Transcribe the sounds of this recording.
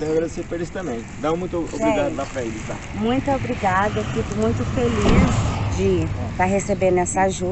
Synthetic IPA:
t̪ẽj̃aɡɾad̪esepoɾisʊ̥t̪ɐ̃mbẽj̃d̪ãmũj̃t̪o̰sbɾiɡad̪ʊlapɾɐelɪt̪a̰ | mũj̃t̪ʊobɾiɡad̪ɐɛfid̪ʊmũj̃t̪ʊfelisd͡ʒɪpɾɐɦesebeɾnɛsɐaʒu

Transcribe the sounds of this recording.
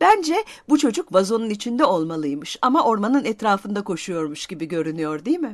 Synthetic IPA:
b̥ænd͡ʒɛbut͡ʃʰo̞d͡ʒukvazo̞nunit͡ʃʰind̪ɛo̞lˠmalˠɯjmɯʃamaʔo̞ɾmanɯnɛt̪ɾaːfɯnd̪akʰo̞ʃujo̞ɾmuʃɟ̥ibiɟø̞ɾynyjo̞ɾd̪ijmɪ

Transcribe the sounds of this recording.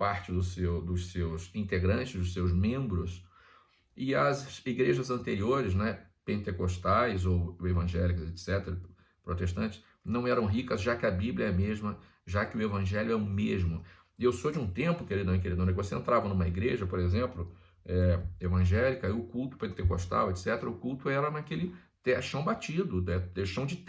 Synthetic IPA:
paɾt͡ʃɪd̪ʊsewd̪ʊssewzĩnt̪eɡɾɐ̃t͡ʃɪzd̪ʊsewzmẽmbɾʊs | ɪɐzsiɡɾeʒɐzɐ̃nt̪eɾioɾɪznɛpẽnt̪ekost̪ajzowevɐ̃ʒɛlikʊzet̪sɛt̪eɾɐ | pɾot̪eʃt̪ɐ̃nt͡ʃɪ̥s | nɐ̃w̃ɛɾɐ̃w̃ɦikɐzʒakɪɐbiblʲjɐɛmeʒmɐ | ʒakɪʊevɐ̃ʒɛlʲʊɛʊmeʒmʊ | ewsod͡ʒɪũt̪ẽmpʊkɪelɪd̪ɐ̃w̃keɾid̪õnɛkɪvoseẽnt̪ɾavɐnũmɐiɡɾeʒɐpoɾezẽmplʊ | ɛevɐ̃ʒɛlikɐɪʊkult̪ʊ̥pẽnt̪eko̰ʃt̪a̰wet̪sɛt̪eɾɐʊkult̪ʊɛɾɐnɐkelɪ | t̪ɛʃɐ̃w̃bat͡ʃid̪ʊd̪ɛeʃɐ̃w̃d͡ʒɪ

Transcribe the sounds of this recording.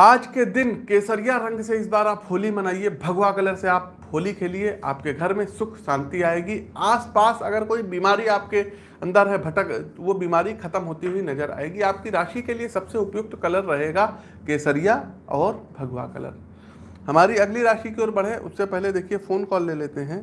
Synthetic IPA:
aːd͡ʒked̪ɪnkeːsəɾijaɾɐ̃ŋɡseɪs̬baːɾaːpɦoːlimɐnaːiebʱɐɡwakɐləɾseaːp̚ʰ | oːlikelieʔa̰ːpkeɡʱɐɾmẽsʊkʰʃãːnt̪iaːeːɡiaːspaːsɐ̰ɡəɾkoːibiːmaːɾiaːp̚ke | ɐ̃nd̪əɾɦɛbʱɐʈəkʋobiːmaːɾixʰɐt̪əmɦoːt̪iɦuinɐd͡ʒəɾa̰ːeːɡiaːp̚kiɾaːʃikeliesɐbseʊpjʊk̚t̪kɐləɾːɐɦeːɡa | keːsəɾijaɔːɾbʱɐɡwa̰kɐ̰lə̰ɾ | hɐmaːɾiɐɡliɾaːʃikeɔːɾbɐɽ̤ɦeʔʊ̰sːepɛɦled̪eːkʰiefoːnkɔːlːeːleːt̪eɦɛ̃ː

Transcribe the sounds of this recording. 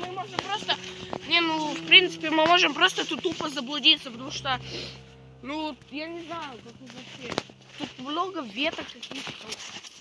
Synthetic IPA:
mɨmoʐɨmpɾost̪ənʲenufpɾʲint̪sɨ̥pʲɪmɨmoʐɨmpɾost̪əɛt̪ut̪ːupəzəblˠʊdʲit̪sːəpət̪ɐmuʂt̪o | nujanʲɪznajʊkɐkɨvɐfɕʲe | t̪ut̪mnoɡəvʲet̪əkkːɐkʲijt̪ə̥t̪ɐ

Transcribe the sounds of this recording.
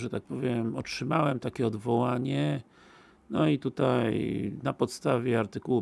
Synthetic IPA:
ʐɛt̪ak̚pɔvʲjɛmɔtʂɘmawɛmt̪akʲɛɔd̪vɔwaɲɛ | nɔit̪ut̪ajnapɔt̪st̪avʲjɛaɾt̪ɘkuwu

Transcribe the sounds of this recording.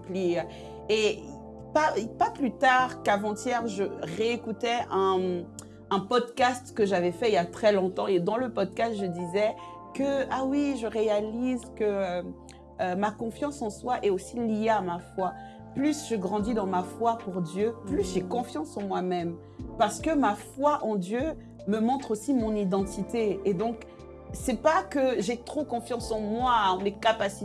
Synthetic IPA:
pli | e | papaplyt̪aʁkavɑ̃t̪jɛʁʒəʁeekut̪ɛɛ̃ː | pɔd̪kʲast̪kəʒavɛfɛiljat̪χɛlɔ̃t̪ɑ̃ed̪ɑ̃ləpɔd̪̚kast̪ʒəd̪izɛ | kəawiʒəʁealizkə | makɔ̃fjɑ̃sɑ̃swaʔɛosilijeamafwa | plysʒəɡʁɑ̃d̪id̪ɑ̃mafwapuʁd̪jøplysʒekɔ̃fjɑ̃sɑ̃mwamɛm | paʁsə̥kəmafwaʔɑ̃d̪jø | məmɔ̃t̪χosimɔ̃nid̪ɑ̃t̪it̪eːd̪ɔ̃k | sɛpakəʒɛt̪χokɔ̃fjɑ̃sɑ̃mwaɑ̃mekapasi

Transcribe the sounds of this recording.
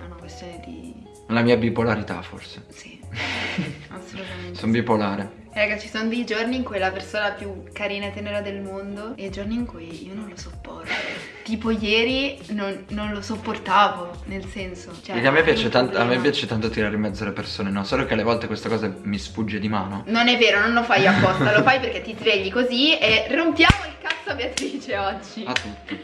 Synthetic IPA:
aunakwest̪joːned̪ḭ | lamiːabipolaɾit̪a̰fo̰rse̥si | asːoluamesombipolaːɾe | ɛɾaɡat͡ʃːisonod̪ejd͡ʒorniːŋkujlapersoːnapjukːaɾiːnaet̪ɛːneɾad̪elmond̪oed͡ʒorniːŋkujḭonõnlosopːɔ̰rt̪o | t̪iːpojɛːɾinonːonlosopːort̪aːvonelsɛnsot͡ʃɛekeamːepːjaːt͡ʃet̪ant̪amːepːjaːt͡ʃet̪ant̪ot̪iɾaːɾeimɛd̪zːoalepersoːnenɔsoːlokealevɔlt̪ekwest̪akɔːzamisfud͡ʒːed̪imaːnononɛvːeːɾonõnlofajapːɔst̪alofajperk̟et̪ːizveʎːikozierompjaːmoiŋkat̪sːabeat̪ɾiːt͡ʃeɔd͡ʒːiat̪ːut̪ː

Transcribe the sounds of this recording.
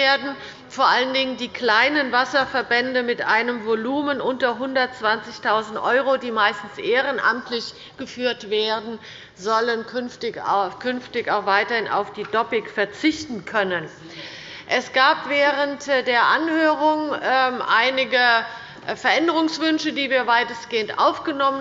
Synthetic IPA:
eːɐdn̩ | foːɐʔaləndɪŋəndiːklaɪnənvasɐfɛɐbɛndəmɪtʔaɪnəmvoluːmənʔʊntɐɦʊndɐtt͡sv̥ant͡sɪçtʰaʊzn̩tʔɔʏʁodiːmaɪstn̩sʔeːʁənʔa̰mtlɪç | ɡ̥əfyːɐtv̥eːɐdn̩ | zɔlənkʰʏnftɪçkʰʏnftɪçaʊxv̥aɪtɐhɪnʔa̰ʊfd̥iːdɔpɪkfɛɐt͡sɪçtn̩kʰœnən | ʔɛsɡ̥aːpvɛːʁəntdeːɐʔanhøːʁʊŋɛmʔaɪnɪɡə | fɛɐʔɛndəʁʊŋsv̥ʏnʃədiːviːɐvaɪtəsɡ̥eːəntʔa̰ʊfɡ̥ənɔmən

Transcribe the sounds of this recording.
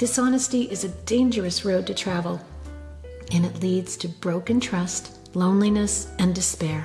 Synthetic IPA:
ð̥ɨsɑnɨstiʔɨzɨdẽɪ̃nd͡ʒə˞ɨsɹoʊd̚tʰɨtʰɹ̥ævl̩ˠ | ɨ̃nɨtˡlidz̥tʰɨbɹoʊkɨ̃ntʰɹ̥ʌst | lõʊ̃nlinɨsɨ̃ndɨspɛɹ

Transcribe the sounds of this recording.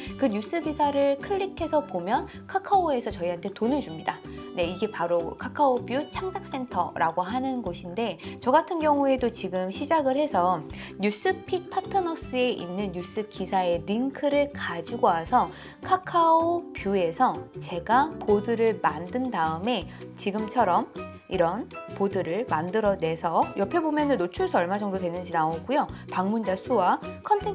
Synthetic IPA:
kɯɲus͈ɯɡisʰaɾɯɭkʰɯʎːikʰe̞sʰʌpomjʌn | kʰakʰaoe̞sʰʌt͡ɕʌiɦantʰe̞tonɯɭd͡ʑumɲida | ne̞iɡe̞paɾokʰakʰaobjut͡ɕʰaŋd͡ʑak̚s͈e̞ntʰʌ̰ɾʔaɡoɦanɯnɡoɕʰinde̞t͡ɕʌɡatʰɯnɡjʌŋue̞dot͡ɕiɡɯmɕʰid͡ʑaɡɯɭhe̞sʰʌ | ɲus͈ɯpʰik̚pʰatʰɯnʌs͈ɯe̞ʔinːɯnjus͈ɯkisʰae̞ɾiŋkʰɯɾɯɭkad͡ʑiɡoɦasʰʌ | kʰakʰaopjue̞sʰʌt͡ɕe̞ɡapodɯɾɯɭmandɯndaɯme̞t͡ɕiɡɯmt͡ɕʰʌɾʌm | iɾʌnpodɯɾɯɭmandɯɾʌne̞sʰʌjʌpʰe̞bomjʌnɯnːot͡ɕʰuɭsʰʌɭmad͡ʑʌŋdodwe̞nːɯnd͡ʑinaoɡ͈ujopaŋmund͡ʑasʰuwakʰʌntʰe

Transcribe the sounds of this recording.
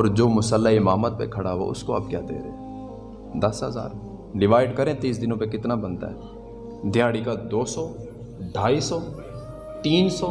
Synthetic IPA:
ɔːɾd͡ʒoːmʊsəlːaɪmaːmət̪̚pḛkʰəɽaːɦo̰ʊ̰skoɐp̚kja̰ːd̪ḛːɾḛː | d̪əsɦəza̰ːɾ | ɖɪʋaːɪɖkəɾẽːt̪iːs̬d̪ɪnõːpekɪt̪nabənt̪a̰ːɦɛ̰ː | d̪ʱɪjaːɽikad̪oːsɔː | ɖʱaːiːsɔː | t̪iːnsɔː

